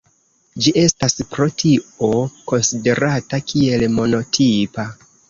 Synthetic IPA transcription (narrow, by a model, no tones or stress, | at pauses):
d͡ʒiʔe̞staspɾo̞tʰio̞ko̞nside̞ɾatakʰie̞lmo̞no̞tʰipa